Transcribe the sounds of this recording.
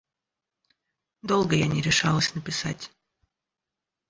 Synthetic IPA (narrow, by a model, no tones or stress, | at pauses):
d̪olˠɡəjanʲɪɾʲɪʂalˠəsʲnəpʲɪsatʲ